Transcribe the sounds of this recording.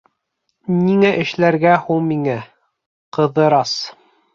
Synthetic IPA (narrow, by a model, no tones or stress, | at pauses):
niŋæʔɘ̆ʃlæɾɡæhuɴmiŋæ | qɤ̆ðɤ̆ɾɑs